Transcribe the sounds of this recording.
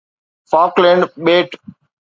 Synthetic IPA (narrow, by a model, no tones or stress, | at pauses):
faːklɛ̃ːɳɖɓeːʈ